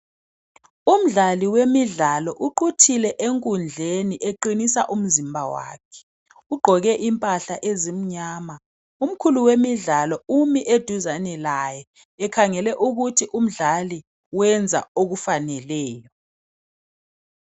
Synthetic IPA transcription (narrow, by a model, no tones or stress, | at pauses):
um̩ɮaliwemiɮalɔʔuǃutʰilɛʔeŋkʼund͡ɮʱeniʔeǃinisa̰ʔum̩zimbʱawa̰ːkʰɛ̥ | uɡ͡ǃʱɔɣɛʔimpʼaɬaʔezim̩ɲaːma | um̩kʰuluwemiɮalɔumiʔed̥ʱuzanɛlajɛː | kʰaŋɛlɛʔuɣutʰiʔum̩ɮali | wɛnd͡zʱa̰oɣufanɛlɛːjɔ